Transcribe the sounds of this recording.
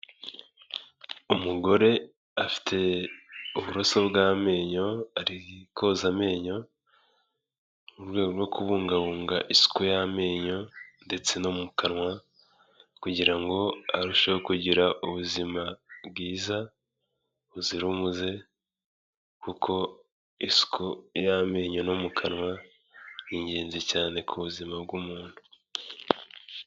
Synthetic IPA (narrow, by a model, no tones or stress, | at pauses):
umuɡo̞ɾe̞ | afi̥tʰe̞ | uβuɾoso̞bɡaːme̞ːɲo̞aɾikʰo̞zame̞ːɲo̞ | uɾɡwe̞ːɡo̞ɾwo̞kuβuːŋɡaβuːŋɡa̰ʔisi̥kojame̞ːɲo̞nde̞t͡se̞nomumukanŋwa | kuɟiɾaŋɡo̞aɾuʃowokuɟiɾaʔuβuzimabɡiːza | βuziɾumuze̞ | kukʰo̞ | isu̥kʰojame̞ːɲo̞nomukʰanwa | jiɲɟeːnzecaːne̞kʰuβuzimab̚ɡumuːn̥hu̥